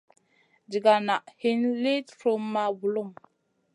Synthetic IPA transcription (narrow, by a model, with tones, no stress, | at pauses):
d͡ʒi˨ɡa˨na˨ʔhi˦nli˦dfɾo˦mːa˨bu˨lu˦˨m